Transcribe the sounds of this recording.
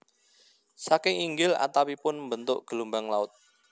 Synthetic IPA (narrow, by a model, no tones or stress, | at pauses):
sakɪŋiŋɡɪla̰t̪awipʊnmbənt̪ʊʔɡ̥əlumbaŋlaʊt̪̚